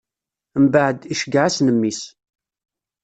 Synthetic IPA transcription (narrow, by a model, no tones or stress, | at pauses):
mbəʕd̪iʃəɡʕasnəmːis